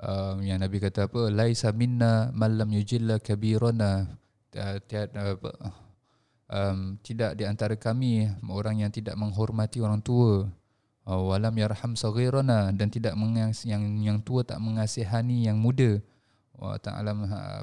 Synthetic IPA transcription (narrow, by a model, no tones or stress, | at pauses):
ʔəmjaŋnabikat̪aːpəlajsaminːamalːamjud͡ʒilːakabiɾana | t̪iapə̰ | ʔəmt̪idaʔdiant̪aɾakamimoɾaŋjaŋt̪idaʔməŋɦɔrmat̪ioɾaŋt̪uə | walamjarhamsɔɣiɾanadant̪idaʔməŋjaŋjaŋt̪uət̪a̰ʔməŋasɪɦanijaŋmudə | a̰t̪a̰a̰lama̰